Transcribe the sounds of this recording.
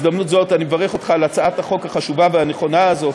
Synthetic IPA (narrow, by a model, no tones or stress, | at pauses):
zd̪amnutzotanimevaʁe̞χo̞t̪χalat͡saʔathaχo̞khaχaʃuvaveane̞χo̞naːzo̞